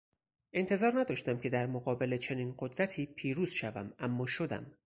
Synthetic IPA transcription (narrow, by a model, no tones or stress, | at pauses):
ʔe̞nt̪ʰe̞zɒːɾnæd̪ɒːʃt̪æmcʰe̞d̪æɾmoɣɒːbe̞let͡ʃʰe̞niːnɢod̪ɾæt̪ʰiːpʰiːɾuːz̥ʃævæ̰mæmːɒːʃo̞d̪æ̰m